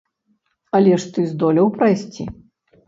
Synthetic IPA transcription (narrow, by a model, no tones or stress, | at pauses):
ɐlʲɛʂt̪ɨzd̪ɔlʲɐwpɾɐjsʲt͡sʲḭ